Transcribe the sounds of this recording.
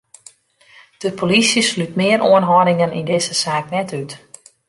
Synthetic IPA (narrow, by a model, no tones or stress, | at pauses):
d̥əpʰolisjəslytmɪəɾoənɦɔɾɪŋənḭndɪːzəsaːk̚nɛtyt